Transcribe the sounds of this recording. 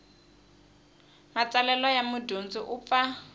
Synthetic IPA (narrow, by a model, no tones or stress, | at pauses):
mat͡sʼalɛlɔjamʊdont͡sʼiʔʊp̪fa